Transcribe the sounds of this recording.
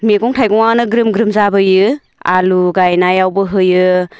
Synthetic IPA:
meɡɔŋtʰajɡɔŋanɯɡɾɯmɡɾɯmzabɯjɯ | a̰luɡajnajawbɯɦɯjɯ

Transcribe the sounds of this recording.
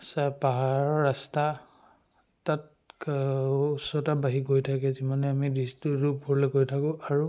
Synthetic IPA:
sapaɦaɹɔɹasta | tat̚ | usɔtabaɦiɡojtʰakɛzimanɛamidistuɹub̚ɡɔɹleɡojtʰakʊ̃aɹu

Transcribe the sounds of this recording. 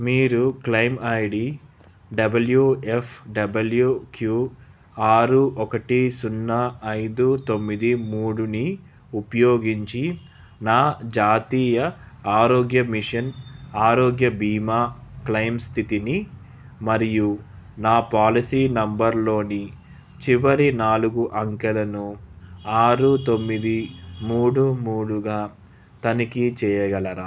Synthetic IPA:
miːɾuklɐjmɐjɽi | ɖɐbɐljuefʰɖɐbɐljukju | aːɾuʔɔkɐʈisunːɐɐjd̪ut̪o̞mːid̪imuːɽuni | upɐjoːɡiɲt͡ʃi | naːd͡ʒaːt̪iːjɐ | aːɾoːɡjɐmiʂɐnaːɾoːɡjɐbiːmaːklɐjmst̪ʰit̪ini | mɐɾiju | naːpaːlisiːnɐmbɐɾlo̞ːni | t͡ʃiʋɐɾinaːluɡuʔɐŋkɛlɐnuaːɾut̪o̞mːid̪imuːɽumuːɽuɡaː | t̪ɐnikit͡ʃɛːjɐɡɐlɐɾaː

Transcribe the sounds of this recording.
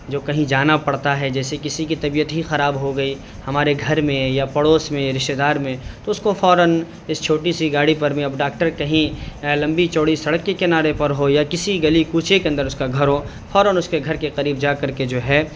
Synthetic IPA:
d͡ʒoːkɐɦĩd͡ʒaːnapɐɽt̪aɦɛd͡ʒɛːsekɪsikit̪ɐbijət̪ɦixɐɾaːbɦoɡɐi | hɐmaːɾeɡʱɐɾmẽjapɐɽoːsmẽɾɪʃʈed̪aːɾmẽt̪oʊskofɔːɾən | ɪst͡ʃʰoːʈisiɡaːɽipɐɾmẽɐbɖaːkʈəɾkɐɦĩlɐ̃mbit͡ʃoːɽisɐɽəkːikɪnaːɾepɐɾɦojakɪsiɡɐlikuːt͡ʃʰekeɐ̃nd̪əɾʊskaɡʱɐɾɦoː | fɔːɾənʊskeɡʱɐɾkeqɐɾiːbd͡ʒaːkɐɾked͡ʒoːɦɛː

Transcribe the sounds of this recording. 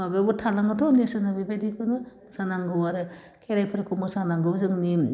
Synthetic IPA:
aɡɯbutʰalaŋɯtʰɔnisɯnabebajdikʰɯnɯ | sanaŋɡɯwaɾɯ | kʰeɾajpʰɯɾkʰumɯsanaŋɡɯzɯŋni

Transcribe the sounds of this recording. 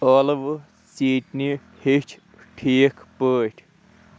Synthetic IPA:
ɔːlʋ | siːʈni | het͡ʃʰ | ʈʰeːkʰpəːʈʰʲ

